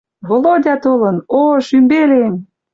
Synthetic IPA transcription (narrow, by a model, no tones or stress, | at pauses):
βolodʲɑt̪olɤ̆noʃymbelem